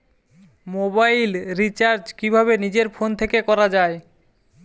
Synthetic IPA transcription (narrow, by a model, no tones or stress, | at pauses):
mobajlɾit͡ɕaɾd͡ʑkibʱabenid͡ʑeɾfont̪ʰekekɔɾad͡ʑae